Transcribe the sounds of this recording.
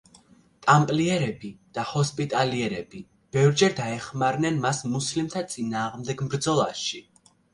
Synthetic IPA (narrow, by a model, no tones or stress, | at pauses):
t̪ʼampʼliɛɾɛbid̪̥ahɔspʼit̪ʼaliɛɾɛbi | b̥ɛvɾd͡ʒɛɾd̪aɛχmaɾnɛnmasmuslimt̪ʰat̪sʼinaːʁmd̪ɛɡmbɾd̪zɔlˠaʃi